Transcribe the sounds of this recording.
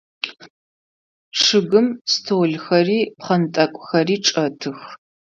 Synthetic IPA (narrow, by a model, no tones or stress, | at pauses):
ʂɨɣɨmstʰowɮxɐriːpχɐnɨtʼɐkʷʼxɐriːʈ͡ʂʼɐtʰɨx